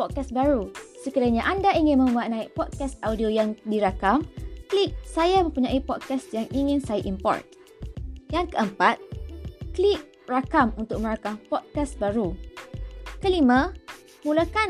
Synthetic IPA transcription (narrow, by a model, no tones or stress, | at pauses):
pɔt̪̚kasbaɾusəkiɾaɲaʔandaiŋɪnmə̃mbuat̪̚nãik̚pɔt̪̚kɛst̪audiojaŋdiɾakamklik̚sajamə̃mpuɲãʔipɔt̪̚kasjaŋiŋɪ̃nsajaʔimpɔ̰rt̪̚ | jaŋkəəmpat̪̚klik̚ | rakamunt̪ʊk̚mə̃ɾakampɔt̪̚kasbaɾu | kəlimã | mulaka